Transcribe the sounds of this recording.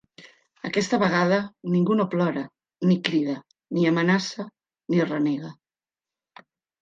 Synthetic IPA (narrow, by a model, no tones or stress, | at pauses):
əkɛst̪əβəɣ̞að̞əniŋɡunoplɔɾə | nikɾiðə | niəmənasə | nirəneɣə